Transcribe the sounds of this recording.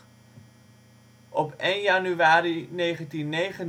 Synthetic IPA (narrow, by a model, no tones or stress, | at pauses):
ʔɔpejnjanyʋaːɾinejχəntinːejχən